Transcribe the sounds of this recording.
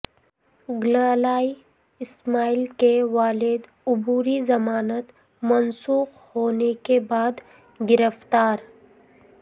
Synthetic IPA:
ɡlaːlaːi | ɪsmaːilkeʋaːlɪd̪ | ʊbuːɾizɐmaːnət̪ | mɐnsuːq | hoːnekebaːd̪ | ɡɪɾəft̪aːɾ

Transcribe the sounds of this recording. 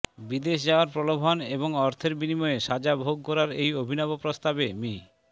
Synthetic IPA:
bid̪eʃd͡ʑaoaɾpɾolobʱɔneboŋɔɾt̪ʰeɾbinimɔeʃad͡ʑabʱoɡ̚kɔɾaɾejobʱinɔbopɾost̪abemi

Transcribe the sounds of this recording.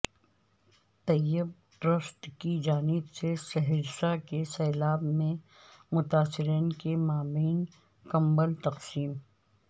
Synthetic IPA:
t̪ɐjɪb̚ | ɖɾəsʈ̪kid͡ʒaːnɪbsesɐɦɪd͡ʒsakesɛːlaːbmẽ | mʊt̪aːsɪɾiːnkemaːbiːn | kɐ̃mbəlt̪ɐqsiːm

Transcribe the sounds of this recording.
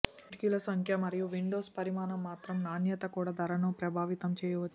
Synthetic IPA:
ɾkjulɐsɐŋkʰjɐmɐɾijuʋiɳɖoːspɐɾimaːnɐmːaːt̪ɾɐmnaːnjɐt̪ɐkuːɽaːd̪ʱɐɾɐnupɾɐbʱaːʋit̪ɐmt͡ʃɛːjɐʋɐt͡ʃː

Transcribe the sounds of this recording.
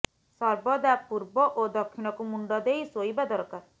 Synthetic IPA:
sɔɾbɔd̪apuɾbɔʔod̪ɔkʰːinɔkumuɳɖɔd̪ejsojbad̪ɔɾkaɾ

